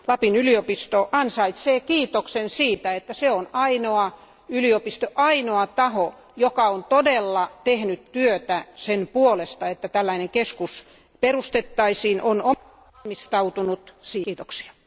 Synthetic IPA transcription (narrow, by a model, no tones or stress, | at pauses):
lɑpinyliopist̪oʔɑnsɑit̪seːkiːt̪oksensiːt̪æet̪ːæseonɑinoɑ | yliopist̪oʔɑinoɑt̪ɑho | jokɑont̪odelːɑt̪ehnyt̪tyøt̪æsenpuolest̪ɑet̪ːæt̪ælːæineŋkeskus | perust̪et̪ːɑisiːnʔono | mist̪ɑut̪unut̪siːt̪oksi̥ɑ